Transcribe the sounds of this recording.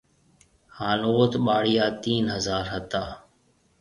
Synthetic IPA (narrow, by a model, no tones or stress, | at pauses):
haːnoːt̪ɓaːɽɪjaːt̪iːnɦəzaːɾɦət̪aː